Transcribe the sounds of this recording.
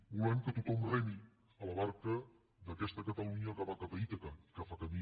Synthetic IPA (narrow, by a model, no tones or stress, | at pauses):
bulaɲkət̪ut̪ɔmrɛmi | ələβaɾkə | ðəkɛst̪əkət̪əluɲəkaβakapəit̪əkaikafakəmi